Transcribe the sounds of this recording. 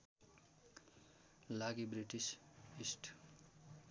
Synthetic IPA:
laɡibɾiʈisisʈ

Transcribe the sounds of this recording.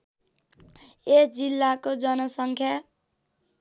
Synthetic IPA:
esd͡zilːakod͡zʌnʌsʌŋkʰja

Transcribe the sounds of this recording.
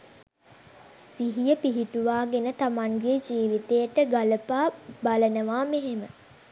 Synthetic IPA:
siɦijəpiɦiʈuʋaːɡenət̪amaŋɡed͡ʒiːʋit̪ejəʈəɡaləpaːbalənəʋaːmeɦemə

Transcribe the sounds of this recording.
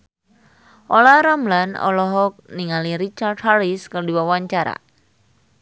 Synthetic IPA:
ʔolaɾamlanɔ̰lɔɦɔk̚niŋaliɾit͡ʃard̚haɾiskərdiwawaɲt͡ʃaɾa̰

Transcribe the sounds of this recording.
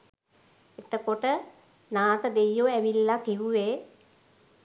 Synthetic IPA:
et̪əkoʈə | naːt̪əd̪ejːoæʋilːakiʋuʋeː

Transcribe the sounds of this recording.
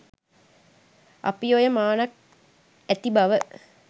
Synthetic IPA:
a̰pijojəmaːnak̚ | æt̪ibaʋə

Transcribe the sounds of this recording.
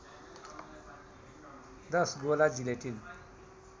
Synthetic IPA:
d̪ʌsɡolad͡zileʈin

